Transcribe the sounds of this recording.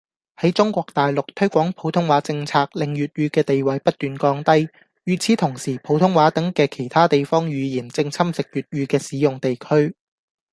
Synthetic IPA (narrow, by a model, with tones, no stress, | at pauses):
hɐ˨˥jt͡sʊ˥ŋkʷɔː˧k̚t̪aː˨jlʊ˨k̚t̪ʰɵ˥ɥkʷɔː˨˥ŋpʰo˨˥wt̪ʰʊ˥ŋwaː˨˥t͡sɪ˧ŋt͡sʰaː˧k̚lɪ˨ŋjyː˨t̚ɥyː˧kɛː˧t̪e˨jwɐ˨jpɐ˥t̚t̪ːyː˨nkɔː˧ŋt̪ɐ˥j | jyː˨t͡sʰiː˨˥t̪ʰʊ˨˩ŋsiː˨˩pʰo˨˧˥wt̪ʰʊ˥ŋwaː˨˥t̪ɐ˨˥ŋkɛː˧kʰe˨˩jt̪ʰaː˥t̪e˨jfɔː˥ŋɥyː˨˧jiː˨˩nt͡sɪ˧ŋt͡sʰɐ˥msɪ˨k̚jyː˨t̚jyː˧kɛː˧siː˨˥jʊ˨ŋt̪e˨jkʰɵ˥ɥ